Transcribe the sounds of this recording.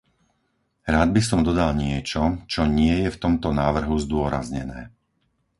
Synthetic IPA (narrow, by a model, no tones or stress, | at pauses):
ɾaːd̪̚bisɔmd̪ɔd̪alɲɪɛt͡ʃɔt͡ʃɔɲɪɛjɛft̪ɔmt̪ɔnaːʋr̩ɦuzd̪ʊɔɾa̰zɲɛnɛ̰ː